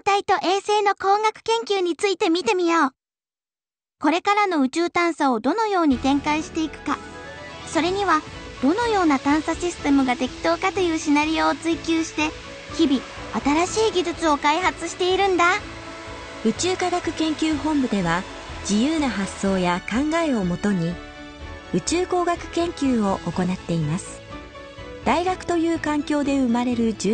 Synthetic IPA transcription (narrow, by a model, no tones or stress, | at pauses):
t̪ait̪o̞ʔe̞ːse̞ːno̞ko̞ːŋɡakɯ̟̥kẽ̞ŋkʲɨːɲ̟it͡sɨit̪e̞mʲit̪e̞mʲijoː | ko̞ɾe̞kaɾano̞ɯ̟t͡ɕɨːt̪ãɰ̃saod̪o̞no̞jo̞ːɲ̟it̪ẽ̞ŋkaiɕi̥t̪e̞ikɯ̟̥ka | so̞ɾe̞ɲ̟iβad̪̥o̞no̞jo̞ːnat̪ãɰ̃saɕisɨ̥t̪e̞mɯ̟ɡat̪e̞kʲi̥t̪o̞ːkat̪o̞jɯ̟ːɕinaɾʲioːt͡sɨikʲɨːɕi̥t̪e̞ | çibʲi | at̪aɾaɕiːɡʲid͡ʑɨt͡sɨo̞kaiɦat͡sɨɕi̥t̪e̞iɾɯ̟̃nd̪a | ɯ̟t͡ɕɨːkaɡakɯ̟̥kẽ̞ŋkʲɨːɦõ̞mbɯ̟d̪e̞βa | d͡ʑijɯːnaɦasːo̞ːjakãŋɡae̞o̞mo̞t̪o̞ɲ̟i | ɯ̟t͡ɕɨːko̞ːɡakɯ̟̥kẽ̞ŋkʲɨːo̞ʔoko̞nat̪ːe̞imasɨ̥ | d̪̥aiɡakɯ̟̥t̪o̞jɯ̟ːkãŋkʲo̞ːd̪e̞ɯ̟maɾe̞ɾɯ̟d͡ʑ